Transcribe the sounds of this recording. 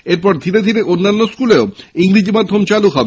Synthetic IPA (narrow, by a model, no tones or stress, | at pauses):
eɾpɔɾd̪ʱiɾed̪ʱiɾeʔonːanːoskuleoiŋɾid͡ʑimad̪ʱːomt͡ɕaluɦɔbe